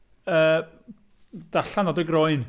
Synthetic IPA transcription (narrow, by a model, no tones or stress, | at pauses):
əː | d̥aɬanɔdəɡrɔɨn